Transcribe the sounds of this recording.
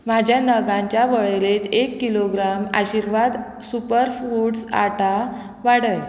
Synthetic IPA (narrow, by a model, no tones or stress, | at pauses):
mad͡ʑʱjanəɡãɲt͡ɕjaʋəɭelet̪ekːiloɡɾama̰ɕiɾʋad̪ | supəɾfuʈsa̰ʈa | ʋaɽəj